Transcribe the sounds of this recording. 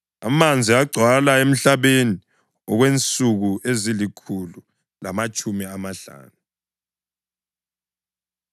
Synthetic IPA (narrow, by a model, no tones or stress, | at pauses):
a̰mand͡zʱiaɡ͡ǀʱwalaem̩ɬaβeni | ɔɣwent͡sʼuɣuʔezilikʰulu | lamat͡ʃʼumiamaɬa̰ːnu